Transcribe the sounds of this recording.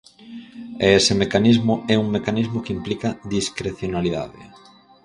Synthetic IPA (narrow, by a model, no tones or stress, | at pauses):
ɛesɪmekanizmʊʔɛuŋmekanizmokimplikaðiskɾeθjonaliða̰ðɪ̰